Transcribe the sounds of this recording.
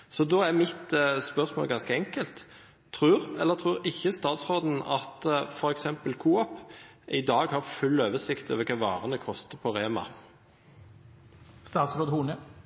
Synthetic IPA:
sɔd̪ɔæɾmɪt̪spœʁsmo̰ːlɡɑnskəɛŋkəlt̪ʰ | ɾʉːɾɛlːət̪ʰʁʉːɾɪçːəst̪ɑːt̪sʁoːd̪n̩ɑt̪fɔɾɛksɛmpəlkʰuːɑp | ʔɪd̪ɑːɡhɑɾfʉlːøːʋəsɪkt̪ʰø̰ːʋəɾkʰɑːʋɑːʁənəkʰɔst̪əpʰɔʁeːmɑ̰ | st̪ɑːt̪sɾoːd̪huːnə

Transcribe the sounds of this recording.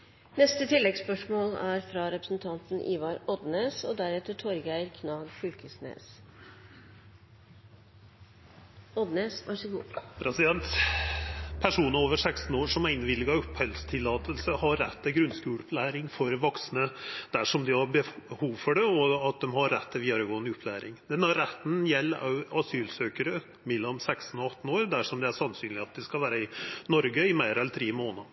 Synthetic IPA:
nɛst̪ət̪ʰɪlːɛɡspœʂmoːlæɾfɾɑɾɛpɾəsn̩t̪ʰɑnt̪n̩ʔḭːʋɑɾɔd̪neːsɔd̪æɾɛt̪əʈʰɔɾɡæɪɾkʰnɑːɡfʉlkəsnḛːs | ɔd̪neːsʔɑ̰ʂɪɡuːpʰɾɛsɪd̪ɛnt̪ | pʰæʂuːnəoːʋəɾʂækst̪n̩oːʂɔmæɾɪnʋɪlːɪɡɑʉphœlst̪ʰɪlːɑːt̪əlsəhɑɾːɛt̪ʰːɪlɡɾʉnskʉːlʉpʰlæːɾɪŋfɔɾʋɔksnəd̪̥æʂɔmd̪ɪhɑɾbəhuːʋfɔɖɛɔɑt̪̚d̪ɛmhɑɾːɛt̪ːɪlʋiːd̪ɑɾəɡoːnʉpʰːlæːɾɪ̰ŋd̪̥ɛnhɑɾːɛt̪n̩jɛlːɑʉɑsyːlsøːkəɾə | mɛlːɔmsækst̪n̩ɔɑt̪ːn̩oːɾd̪æʂɔmd̪ɛæʂɑnsyːnlɪɑt̪̚d̪ɛskɑlʋæːɾəɪnɔɾɡəɪmæɪɾɛlt̪ʰɾiːmoːnə

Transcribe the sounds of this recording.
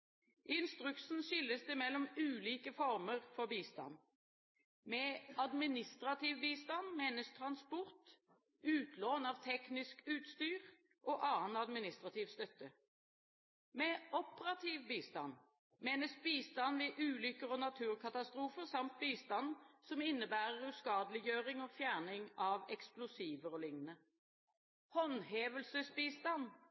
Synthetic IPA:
ʔɪnst̪ʁʉksn̩ʃʏlːəsd̪əmɛlːɔmʉːliːkəfɔʁməʁfɔʁbiːst̪ɑ̰n | mɛɑd̪mɪnɪst̪ʁɑt̪ʰiːʋbiːst̪ɑnmeːnəst̪ʰʁɑnspɔʁt̪ | ʉːt̪ʰloːnɑːʋt̪ʰɛknɪskʉːt̪st̪yːʁ | ʔoːʔɑːnɑd̪mɪnɪst̪ʁɑt̪ʰɪːʋst̪œt̪ːə | mɛʔɔpəʁɑt̪ʰiːʋbiːst̪ɑ̰n | meːnəsbiːst̪ɑnʋɛʔʉːlʏkəʁɔnɑt̪ʰʉːʁkʰɑt̪ɑst̪ɾʁuːfəʁsɑmt̪̚biːst̪ɑnːsɔmɪnːəbæːʁəʁʉskɑːd̪lɪjøːʁɪŋɔːfjæːʁnɪŋɑʋɛksplʊsiːʋəʁɔlɪŋnə | hɔnɦeːʋəlsəsbiːst̪ɑn

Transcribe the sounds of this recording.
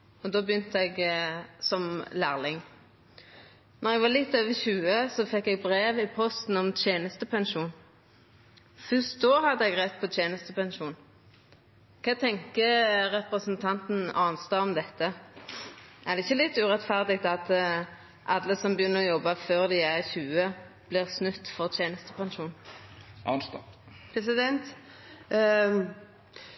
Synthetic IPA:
ɔd̪oːbjʏnt̪əɛɡsɔmlæːʁlɪŋ | nɔʁɛɡʋɑːlɪt̪ːoːʋəçʉːəsɔfɛkːɛɡ̚bʁeːʋɪpʰɔst̪n̩ɔmt̪ʰjeːnəst̪əpʰɛnʃuːn | fʉst̪̚d̪oːɦɑd̪ːəɛɡʁɛt̪̚ːpʰɔt̪ʰjeːnəst̪əpɛnʃuːn | kʰɑːt̪ʰɛŋkəɾɛpʁəsənt̪ʰɑnt̪n̩ɑːnst̪ɑɔmd̪ɛt̪ːə | æʁd̪ɛɪçːəlɪt̪ːʉːʁɛt̪fæʁd̪ɪɡ̚t̪ɑt̪ | ʔɑd̪lːəsɔmbjʏnːəʁɔjɔbːɑføːʁd̪ɪæʁçʉːə | b̥lɪʁsnʉt̪ːfɔʁt̪ʰjeːnəst̪əpʰɑnʃuːnʔɑnt̪ | pʰɾɛsɪd̪ɛnt̪

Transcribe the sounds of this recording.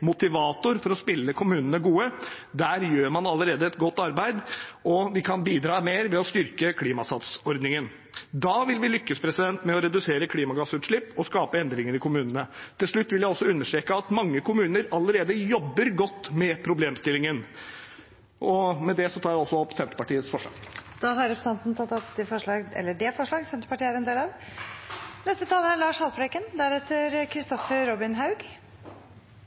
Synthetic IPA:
mʊt̪ɪʋɑːt̪ʊɾfɔɾɔspɪlːəkʰʊmʉːnənəɡuːə | d̪æːɾjøːɾmɑnɑlːəɾeːd̪əɛt̪ɡɔt̪ːɑɾbæɪd̪ɔʋɪkʰɑnbiːd̪ɾɑːmeːɾʋɛɔst̪ʏɾkəkʰliːmɑsɑt̪sɔɾd̪nɪŋən | d̪ɑːʋɪlʋɪlʏkːəspʰɾɛsɪd̪ɛnt̪mɛɔɾɛd̪ʉseːɾəkʰliːmɑɡɑsʉːt̪ʂɭɪpːɔskɑːpəɛnd̪ɾɪŋəɾɪkʰʊmʉːnənət̪ʰɪlʂɭʉt̪ːʋɪljæɪɔsːɔʉnːəʂʈɾeːkəɑt̪mɑŋːəkʊmʉːnəɾɑlːəɾeːd̪əjɔbːəɾɡɔt̪ːmɛpʰɾʊbleːmst̪ɪlːɪŋən | ʔɔmɛd̪ɛsɔt̪ʰɑːɾjæɔsːɔɔpːsɛnt̪ɾə̥pɑʈiːət̪sfɔʂɭɑ̰ːɡd̪̥ɑɦɑɾɛpɾəsɑnt̪n̩t̪ʰɑt̪ːɔpd̪ɛfɔʂɭɑːɡɛ̰lːəɖɛfɔʂɭɑːɡsɛnt̪ɾəpɑʈiːəæɾɛnd̪eːlɑʋ | nɛst̪ət̪ʰɑːləæɭɑːʂhɑlpʰɾɛkənd̪æɾɛt̪ʰːəɾkʰɾɪst̪ɔfəɾɔbɪnɦɑʉɡ

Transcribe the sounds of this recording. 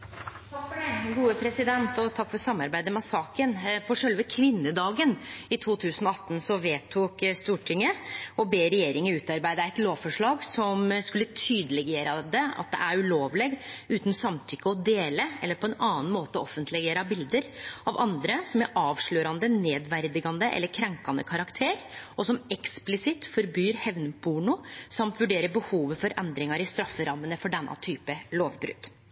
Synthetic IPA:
kfɡuːəpʰɾɛsɪd̪ɛnt̪ɔt̪ʰɑkːfɔɾsɑmːɑɾbæɪd̪əmɑsɑːkənfʰɔʂœlʋəkʰʋɪnːəd̪ɑːɡənɪt̪ʰuːt̪ʰʉːsənɔɑt̪ːn̩sɔʋeːt̪ʰuːkst̪uːʈʰɪŋːəɔbeːɾɛjeːɾɪŋəʉːt̪ɑɾbæɪd̪əæɪt̪loːʋfɔʂɭɑːɡsɔmskʉlːət̪ʰyːd̪əlɛɡeːɾɑd̪ɛɑ̰t̪̚d̪ɛ̰ʔæɾʉloːʋleːɡʉːt̪n̩sɑmt̪ʰʏkːəɔd̪eːləɛlːəɾpʰɔɛnɑːn̩moːt̪əɔɔfənt̪lɛɡeːɾɑbɪld̪əɾʔɑʋʔɑnd̪ɾəsɔmæʔɑːʋʂɭøːɾɑnd̪əneːd̪ʋæɾd̪ɪɡɑnd̪əʔɛ̰lːəɾkʰɾɛŋkɑnd̪ə̰kʰɑɾɑkt̪ʰeːɾɔsɔmɛksplɪsɪt̪fɔɾbyːɾhɛʋnəbʰuːɳʊsɑmt̪ʋʉɖeːɾəbəhuːʋəfɔɾʔɛnd̪ɾɪŋɑɾɪst̪ɾɑfːəɾɑmːənəfɔɖɛnːɑ̰t̪ʰyːpəloːʋbɾʉ̰t̪ː

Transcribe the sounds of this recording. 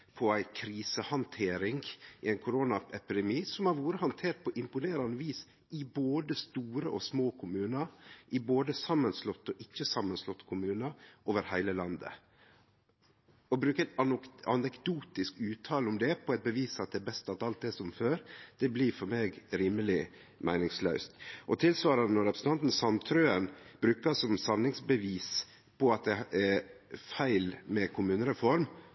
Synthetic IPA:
pʰɔæɪkʰɾiːsəhɑnt̪ʰeːɾɪŋɪæɪnkʰʊɾoːnɑɛpɪd̪ɛmiːsɔmhɑɾʋuːɾəhɑnt̪ʰeːʈ̚pʰɔʔɪmpʊneːɾɑnːəʋiːs | ʔɪboːd̪əst̪uːɾəʔɔ̰smoːkʰʊmʉːnəɾʔɪboːd̪əsɑmːənslɔt̪ːɔʔɪçːəsɑmːənslɔt̪ːkʰʊmʉːnəʔoːʋəɾhæɪləlɑnd̪ə̰ | ɔbɾʉːkəæɪt̪ɑɑ̰nɛkd̪uːt̪ɪskʉːt̪ʰɑːlʊmd̪ɛpʰɔɛɪt̪̚bəʋiːsɑt̪̚d̪ɛɛbɛst̪ɑt̪ɑlt̪̚d̪ɛsɔmføːɾd̪̥ɛblifɔɾmeːɡɾiːməlɪ | mæɪnɪŋslœʉst̪ʔɔt̪ʰɪlsʋɑːɾɑnənɔɾɛpʰɾəsn̩ɑnt̪n̩sɑnt̪ʰɾøːənb̥ɾʉːkəsɔmsɑnːɪŋsbəʋiːs | pʰɔɑt̪̚d̪ɛɛfæɪlmɛkʰʊmʉːnəɾɛfɔɾm

